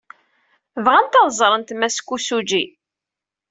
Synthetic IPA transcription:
vʁænt̪ɑðˤzˤɾˤənt̪mæskʷːusud͡ʒi

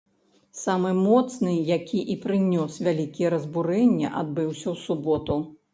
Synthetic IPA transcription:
samɨmɔt̪snɨjakʲʰiʔipɾɨnʲɔsvʲalʲikʲijɛɾɐzbuɾɛnʲːɐ̰ʔad̪̚bɨwsʲɐwsubɔt̪u

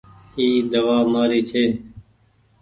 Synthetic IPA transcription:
iːd̪əʋaːmaːɾiːt͡ʃʰeː

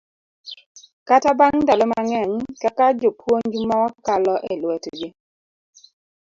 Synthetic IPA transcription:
katabaŋdalɔmaŋɛɲkakad͡ʒopwoɲɡmɔkalɔʔɛlwɛtɡi

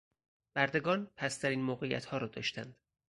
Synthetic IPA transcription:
b̥æɾd̪e̞ɡɒːnpʰæst̪ʰæɾiːnmoːɣejæ̰t̪hɒːɾɒːd̪ɒ̰ːʃt̪ʰænd̪̥

